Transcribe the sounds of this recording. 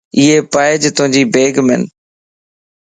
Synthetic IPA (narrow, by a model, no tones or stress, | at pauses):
ɪɦeːpaːɪd͡ʒt̪ʊɦɪ̃ɲd͡ʑiːbeːɡmɪ̰n